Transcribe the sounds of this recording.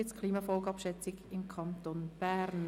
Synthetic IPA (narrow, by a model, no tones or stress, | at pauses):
ɪt͡skʰliːmɑfɔlɡɑpʃɛt͡sɪɡɪmkʰɑnt̪onb̥æːɾn